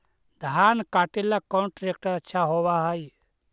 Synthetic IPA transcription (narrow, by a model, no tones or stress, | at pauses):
d̪ʱaːnkaːʈelːakɔ̃nʈɾek̚ʈəɾətːʃʰaɦowaɦəj